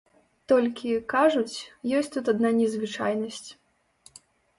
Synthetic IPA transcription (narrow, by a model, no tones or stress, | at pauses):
t̪ɔlʲkʲikaʐut͡sʲjɔsʲtʲt͡sʲt̪ut̪ad̪nanʲɛzvɨt͡ʂa̰jnɐsʲt͡sʲ